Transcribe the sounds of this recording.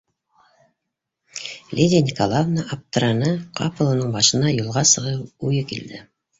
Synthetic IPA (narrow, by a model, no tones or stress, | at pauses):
lʲidʲɪnʲikolˠavnaʔap̚t̪ɤɾɑnɤqʰɑ̰pɤlˠɤ̆nɤɴbɑʃɤ̆nɑjulˠʁɑsɤ̆ʁɤpʉjɤkild̪ɘ